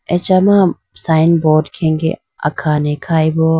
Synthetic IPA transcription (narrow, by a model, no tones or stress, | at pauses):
et͡ʃama | saːɪnboːɖkʰẽːŋɡḛ | ɐ̰kʰaːnekʰaːibo